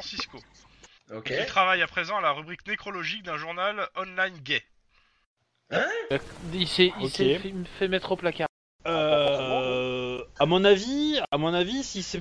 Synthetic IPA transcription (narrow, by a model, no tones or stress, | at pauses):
ɑ̃sisko | it̪χavajapχezɑ̃alaʁybʁiknekχɔlɔʒik̚d̪ɛ̃ʒuʁnalɔnlajnɡʲɛ | aisɛsfɛfɛmɛt̪χoplakʲaʁ | ø | amɔ̃naviamɔ̃navisisɛ